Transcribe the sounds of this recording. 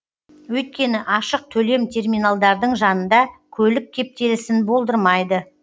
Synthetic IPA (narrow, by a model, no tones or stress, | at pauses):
wɵjt̪̚kʲe̞nɪʔɑʃəq̚t̪ʰɵle̞mt̪ʰe̞rmʲijnalˠd̪ɑɾd̪əɴʒɑnənd̪ɑkʲʰɵlɪk̚kʲʰːe̞p̚t̪e̞lɪsɪnbo̞lˠd̪əɾmɑjd̪ə